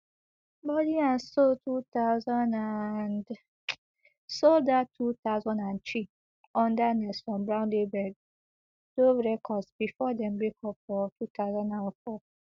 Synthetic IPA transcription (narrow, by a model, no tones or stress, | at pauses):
bɔdiãnsoltut̪aʊzɔ̃ndand | soldatʰut̪aʊzɔ̃ndãnt͡ʃi | ɔ̃ndanɛsfɹɔ̃mbɹãʊ̃nlebɛd̚ | d̥oɹɛkʰɔdsbifɔdɛ̃mbɹekʰɔpfɔtʰut̪aʊzɔ̃ndãnfɔ